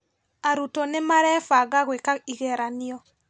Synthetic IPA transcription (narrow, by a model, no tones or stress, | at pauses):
aɾutonemaɾɛfaɣaɣwekaiɣɛɾaniɔ